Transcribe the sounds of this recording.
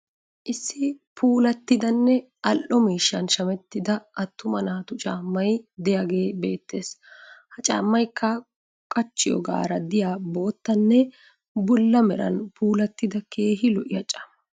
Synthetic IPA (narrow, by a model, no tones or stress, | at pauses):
ʔɪsːɪpʰuːlɐt̪ːɪd̪ɐnːɛ | ʔɐlʔɔmiːʃːɐnʃɐmɛt̪ːɪd̪ɐʔɐt̪ːʊmɐnaːt̪ʊt͡ʃʼaːmːɐjd̪ɛjaɡe̞ːbe̞ːt̪ːe̞ːshɐt͡ʃʼa̰ːmːɐjkʰːɐ | kʼɐt͡ʃːɪjɔ̰ɡa̰ːɾɐd̪ɪjaːbo̞ːt̪ːɐnːɛ | bʊlːɐmɛɾɐ̰npuːlɐt̪ːɪd̪ɐke̞ːɦɪlɔʔɪjɐt͡ʃʼːɐ̥m